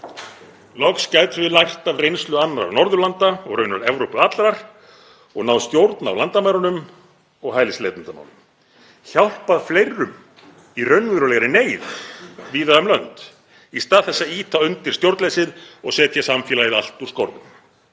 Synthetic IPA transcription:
lɔkscaːjt̪vɪðlajht̪avrejnst̪lʏanːɾa̰ɾnɔɾðʏlant̪aɔɣrœɥnʏɾɛvɾowpʏat̪lɾaɾ̥ | ɔɣnawst̪jowɾt̪na̰wlant̪amajɾɔnʏm | ɔɣɦajlɪslejt̪ʏnt̪ama̰wnʏm | çawl̥paðflejrʏm | irœɥnvɪɾʏlɛɣɾɪneːjðviːðaðʏmlœnt̪ | ist̪aːðθɛsːaiːt̪ʰaʏnt̪ɪɾ̥st̪jowɾt̪lejsɪðɔɣsɛːt̪ʰjasamfɛːlajɪðal̥t̪uɾskowɾðʏ̰m

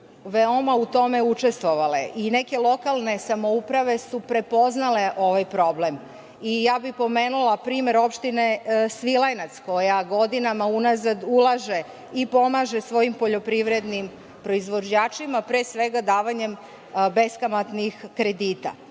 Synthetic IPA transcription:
ʋeo̞maut̪o̞me̞ut͡ʃe̞st̪ʋo̞ʋale̞̰ʔine̞ke̞lˠo̞kalˠne̞samo̞upɾaʋe̞supɾe̞po̞znale̞ʔo̞ʋajpɾo̞ble̞m | ijaːbixpo̞meːnulapɾiːme̞ɾo̞pʃt̪inesʋilˠajnat̪sko̞jaɡo̞d̪inamaunazad̪ulˠaʒe̞ | ipo̞maʒesʋo̞impo̞ʎo̞pɾiʋɾe̞d̪nim | pɾo̞izʋo̞d͡ʑaːt͡ʃimapɾeːsʋe̞ɡad̪aːʋaɲe̞m | be̞skamat̪nixkɾe̞d̪iːt̪a̰

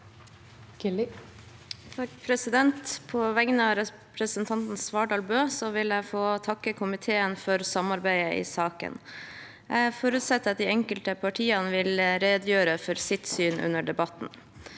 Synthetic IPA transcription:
t̪ʰɑpʰɾɛsɪd̪ɛnt̪pʰɔʋɛŋnəɑɾɛ | pʰɾəsənt̪ʰɑnt̪n̩sʋɑːɖɑːlbøːsɔʋɪlæɪfoːt̪ʰɑkːəkʰʊmɪt̪ʰeːənfɔɾsɑmɑɾbæɪəʔɪ̰ːsɑːkə̰n | æɪfoːɾʉt̪sɛt̪ːəɑt̪̚d̪ɪːɛŋkəlt̪əpʰɑʈʰiːɑnəʋɪlɾeːd̪jøːɾəfɔɾsɪt̪syːnʔʉ̰nːəɖɛbɑt̪n

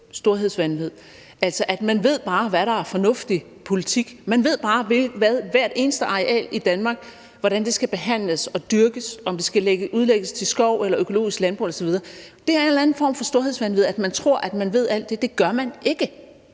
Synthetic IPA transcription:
sd̥o̝ɐɦe̝ð̰ˠsʋænʋið̞̰ˠ | æl̰sɒ̽ʔæd̥mænʋe̝ð̞̰ˠb̥ɑ̈ːʋæɾɑ̈æɐfɒ̽nɔ̽fd̥i | pʰo̝lit͡sʰiɡ̥mænʋe̝ð̰ˠb̥ɑ̈ːʋeʋæðˠʋæɐ̰d̥e̝ːnəsd̥əʔɑ̈ʁeʔɛ̰ːlid̥ænmɑ̈ːɡ̥ | ʋɒɾ̥ænd̥e̝sɡ̥æb̥e̝ɦæn̰ləsɒ̽d̥yɐɡ̥əsɒ̽md̥e̝sɡ̥æleɡ̥əʔuðˠleɡ̥əst͡sʰe̝sɡ̥ɒʊ̰elɐʔøkʰo̝lo̝̰ːisɡ̥lænb̥ʁuelɐsɒʋiðˠɐd̥e̝æɐe̝nlæn̩fɒ̰ːmfɒ̽sd̥o̝ɐ̰he̝ðˠsʋænʋið̞̩̰ˠæd̥mænt͡sʰʁo̝ɐ̰ʔæd̥mænʋe̝ð̞̰ˠæl̰d̥ːe̝d̥e̝ɡ̥ɶɐmæne̝ɡ̥ə

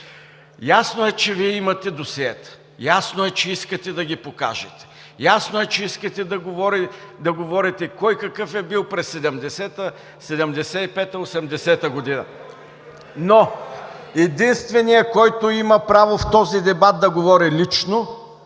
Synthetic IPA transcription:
jasnoɛt͡ʃɛviɛimɐt̪ɛd̪osiɛt̪ | jasnoɛt͡ʃɛiskɐt̪ɛd̪ɐɡʲipoka̰ʒɛt̪ɛ̥ | jasnoɛt͡ʃɛiskɐt̪ɛd̪ɐɡovɔɾid̪ɐɡovɔɾit̪ɛkɔjkɐkɤfɛbilˠpɾɛsːɛd̪ɛmd̪ɛsɛt̪ə | sɛd̪ɛmd̪ɛsɛipɛt̪əosɛmd̪ɛsɛt̪əɡod̪inɐ̰ | no | ɛd̪inst̪vɛnijəkɔjt̪oimɐpɾavoft̪ɔzid̪ɛbat̪̚d̪ɐɡovɔɾilit͡ʃno

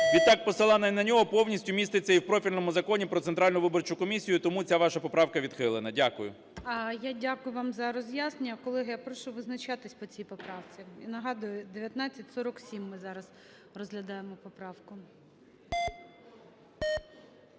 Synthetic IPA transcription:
ʋʲid̪ɑk̚pɔsɪlˠɑnɐinɐnʲɔɦɔpɔwnʲisʲtʲʊmʲist̪et͡sʲːɐiwpɾɔfʲilʲnɔmʊzɐkɔnʲipɾɔt̪sent̪ɾɑlʲnʊʋɪbɔrt͡ʃʊkɔmʲisʲijʊt̪ɔmut͡sʲaʋɑʃɐpɔpɾɑwkɐʋʲid̪̥xɪlˠenɐdʲakʊjʊ̰ | ɐjadʲakʊjʊʋɑmzɐɾɔzʲjasnenʲːɐkɔlˠɛɦɪjapɾɔʃɔʋɪznɐt͡ʃɑt̪ɪsʲpɔt͡sʲijpɔpɾɑwt͡sʲiinɐɦɑd̪ʊjʊd̪eʋʲjɐt̪nɑt͡sʲɐtʲsɔɾɔksʲimːɪzɑɾɐz | rɔzɦlʲɐd̪ɑjemɔpɔpɾɑwkʊ

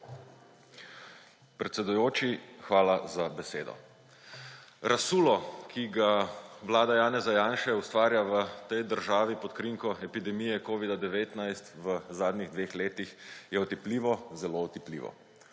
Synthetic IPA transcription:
pɾɛt̪sɛd̪ujoːt͡ʃixʋaːlazabɛseːd̪ɔ̰ | ɾʔasuːlɔkʰiɡaʋlaːd̪ajaːnɛzajaːnʃɛust̪ʋaːɾjaʋət̪ɛjd̪əɾʒaːʋipɔt̪kɾiŋkɔɛpid̪ɛmijɛkoːʋid̪ad̪ɛʋeːt̪najst̪ʋəzaːd̪nʲiɣd̪ʋeːxleːt̪ixjɛɔt̪ipliːʋɔzɛloɔt̪iplḭːʋɔ̰

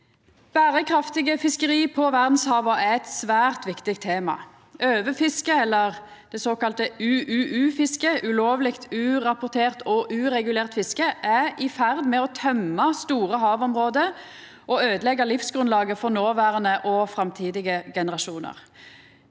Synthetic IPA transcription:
b̥æːʁəkʰʁɑft̪ɪɡəfɪskəʁiːpʰɔʋæʁd̪n̩shɑːʋɑæɛt̪sʋæːʁt̪ʋɪkt̪ɪk̚t̪ʰeːmɑ̰ | øːʋəfɪskəɛlːəʁ | d̪̥ɛsoːkɑlt̪əʉʔʉːʔʉːfɪskəʔʉloːʋlɪkt̪ʰʉːʁɑpʊʁt̪ʰeːʁt̪ɔʔʉːʁɛɡʉleːʁt̪fɪskəʔæɪfæʁd̪mɛɔt̪ʰœmɑst̪uːʁəɦɑːʋɔmʁoːd̪ə | ɔøːd̪əlɛɡːɑlɪfsɡʁʉnlɑːɡəfɔʁnoːʋæːʁənəʔɔfɾɑmt̪ʰiːd̪ɪɡəɡɛnəʁɑʃuːnə̰ʁ

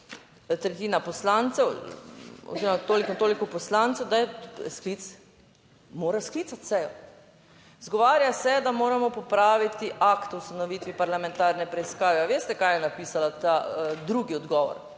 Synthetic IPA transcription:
t̪ɾɛt̪iːnapɔslant̪sɛw | ɔ̰ziɾɔmat̪oːliknt̪oːlikɔpɔslant̪sɛwd̪ajɛsklit̪s | moːɾaskliːt̪at̪sɛjɔ | zɡɔʋaːɾjasɛd̪amoːɾamɔpɔpɾaːʋit̪iʔakt̪ɔwst̪anɔʋiːt̪ʋipaɾlamɛ̃nt̪aɾnɛpɾɛiskaːʋɛaʋeːst̪ɛkajɛnapiːsalat̪ad̪ɾuɡiɔd̪ɡɔːʋɔ̰ɾ

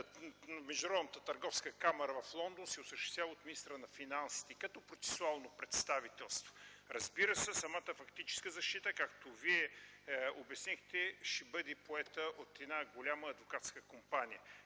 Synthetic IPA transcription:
mɛʒd̪ʊnɾɔb̪nət̪ət̪ɐɾɡɔfskəkamɛɾəvɐflˠɔnd̪onsɛʊsəʃt̪ɛst̪vʲavot̪minist̪ɾənɐfinansi̥t̪ɛkɐt̪ɔpɾot̪sɛ̥sualˠnopɾɛt̪st̪avit̪ɛlˠst̪vo̥ɾɐzbiɾəsɛsɐmat̪əfɐkt̪it͡ʃɛ̥skəzɐʃt̪it̪əkak̚t̪oviɛ | obɛsnixt̪ɛʃɛbəd̪ɛpoɛt̪əʔot̪ɛd̪naɡolʲaməːd̪vokat̪skəkompanijə

